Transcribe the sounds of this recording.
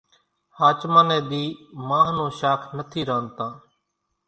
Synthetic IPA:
haːt͡ʃmãːnẽːd̪iːmãːɦnõːʃaːkʰnət̪ʰiːɾãːnt̪ãː

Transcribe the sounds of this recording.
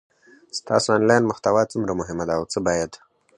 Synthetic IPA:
st̪ɑ̰soɑnlɑjnmʊxt̪awɑt͡sumɾamʊɦɪmad̪aːwt͡səbɑjad̪

